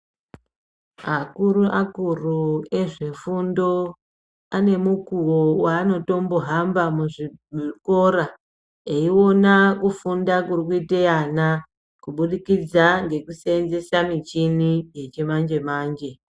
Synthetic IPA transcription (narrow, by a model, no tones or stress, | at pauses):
akuɾuʔakurue̞ʐefundo̞ | ane̞mukuwowaːno̞to̞mboɦambamuʐiko̞ɾa | eiwo̞nakufundakurikuiteana | kuɓuɗikid͡zaŋɡe̞kuseenze̞samit͡ʃinije̞t͡ʃe̞mand͡ʒe̞maːnd͡ʒe̞